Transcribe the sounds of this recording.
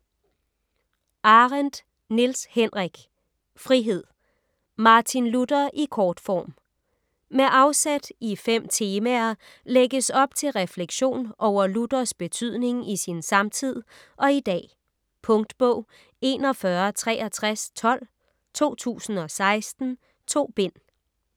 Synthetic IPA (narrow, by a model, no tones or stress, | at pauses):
ʔɑ̈ʁend̥ | nilshenʁiɡ̥ | fʁiɦe̝ð̰ˠ | mɑ̈ːt͡sʰinlud̥ɐʔikʰɒːd̥fɒ̰ːm | meʔɑ̈ʊsæd̥ifem̰t͡sʰe̝ːmæɐ | leɡ̥əsɒ̽b̥̚t͡sʰe̝lʁɛfleɡ̥ɕo̝̰ːnʔɒʊ̰ɐlud̥ɐsb̥e̝t͡sʰyð̞̰ˠne̝ŋisinsɑ̈mt͡sʰið̰ˠ | ʔɒ̽id̥ɛ̰ː | pʰɔ̽ŋd̥b̥ɔʊ̰ | e̝nɒ̽fɶɐt͡sʰʁɛ̰ːʔɐt͡sʰʁast͡sʰɒ̽l̰ | t͡sʰo̝̰ːt͡sʰṵːsn̩ɒ̽sɑ̈ɪsd̥n̩ | t͡sʰo̝̰ːb̥e̝n̰